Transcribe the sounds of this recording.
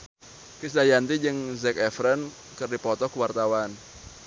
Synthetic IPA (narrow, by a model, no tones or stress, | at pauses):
kis̬dajant̪id͡ʒɨŋzɛkɛfɾən | kɨrdipɔt̪ɔkuwart̪awan